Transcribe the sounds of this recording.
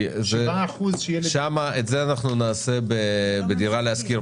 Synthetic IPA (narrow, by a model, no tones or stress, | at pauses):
zʃeaːχuzʃejelʃamaʔetzeanaχnunaːse̞bebed̪iʁaleaskiʁ